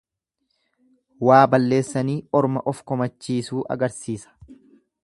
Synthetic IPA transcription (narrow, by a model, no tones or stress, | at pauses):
waːbɐlːe̞ːsːɐniːɔɾmɐʔɔfkɔmɐt͡ʃːiːsuːʔɐ̰ɡɐɾsiːsɐ̥